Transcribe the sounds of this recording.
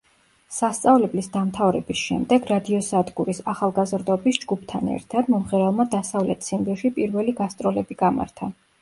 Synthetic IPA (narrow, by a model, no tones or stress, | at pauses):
sast̪sʼavlɛblisd̪amt̪ʰavɾɛ̰bisʃɛ̰md̪ɛɡɾad̪iɔsad̪ɡuɾisaχalˠɡazɾd̪ɔbisd͡ʒɡup̚ʰt̪ʰanɛ̰ɾt̪ʰad̪mɔmʁɛɾɛlˠmad̪asavlɛt̪ʰsimbiʃipʼiɾvɛliɡast̪sʼɾɔlɛbiɡama̰ɾt̪ʰa